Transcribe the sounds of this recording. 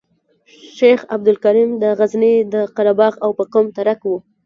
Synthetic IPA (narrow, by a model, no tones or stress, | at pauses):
ʃexab̚d̪ʊlkaɾimd̪əɣaznid̪əqaɾabɑɣawpəkomt̪aɾakwu